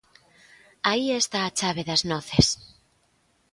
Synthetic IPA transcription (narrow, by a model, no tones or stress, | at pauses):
aiest̪aːt͡ʃaβeðaznoθes